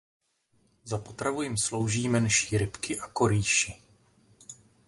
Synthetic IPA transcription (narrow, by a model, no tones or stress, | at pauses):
zapo̞t̪ɾavujɪmslo̞wʒiːmɛnʃiːɾɪpkɪʔako̞ɾiːʃɪ